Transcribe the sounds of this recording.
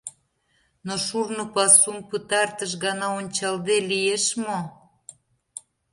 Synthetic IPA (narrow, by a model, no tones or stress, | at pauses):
noʃurnopɑsumpɨt̪ɑrt̪əʃ̬ɣɑnɑonʲt͡ɕɑld̪elijeʃmo